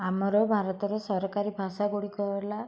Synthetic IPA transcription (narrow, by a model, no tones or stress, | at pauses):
amɔɾɔbʱaɾɔt̪ɔɾɔsɔɾɔkaɾibʱasaɡuɽikɔɾla